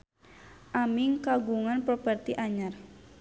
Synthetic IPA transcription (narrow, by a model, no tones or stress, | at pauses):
ʔamiŋkaɡuŋanpɾopərt̪iʔaɲar